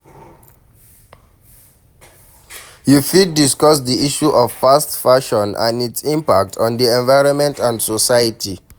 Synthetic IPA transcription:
jufidːiskɔsdiiʃuʔɔffastfaʃɔ̃nã̰nitsĩmpak̚tʰɔ̃ndiɛ̃nvaɪɹɔ̃nmɛ̃ntʰãndsɔsajətʰi

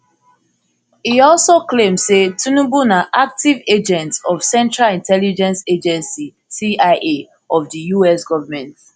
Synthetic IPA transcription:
iɔlsoklẽmsetʰunubunaʔak̚tived͡ʒɛ̃ntsɔv̥sɛ̃ntɹalĩntʰɛlid͡ʒɛ̃nsed͡ʒɛ̃nsi | siaɪʔe | ɔvdəjuɛsɡɔvamɛ̃nt

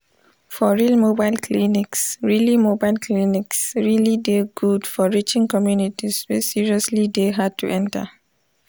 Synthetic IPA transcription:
fɔɹilmobaɪlkʰliniksɹilimobaɪlkʰliniksɹilideɡudfɔɹit͡ʃɪ̃ŋkɔmjunitiswisiɹiɔslideɦad̚tʰuʔɛ̃ntə̰

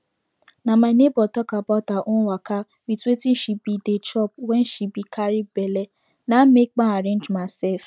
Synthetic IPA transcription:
nãmaɪnebɔtɔkabɔtaʔũwaka | wituetin̩ʃibidet͡ʃɔp̚wɛ̃n̩ʃibikʰaɾibɛlɛ | nãmek̚k͡pãaɾẽnd͡ʒmasɛf

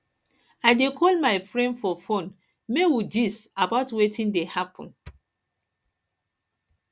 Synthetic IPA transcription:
aɪdekʰɔlmaɪfɹɛ̃ndfɔfõn | mewid͡ʒisabaʊtwetʰĩndehapʰɔ̃n

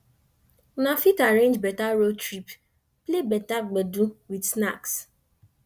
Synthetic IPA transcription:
nafitaɾẽnd͡ʒbɛtaɾotɾip | plebɛtaɡ͡beduwidsnaks

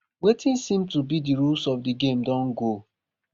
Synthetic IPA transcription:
wetĩnsĩmtubidiɹulsɔfdiɡẽmdɔ̃nɡo

